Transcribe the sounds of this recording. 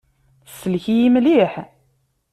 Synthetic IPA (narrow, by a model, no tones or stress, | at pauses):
səlçijimliħ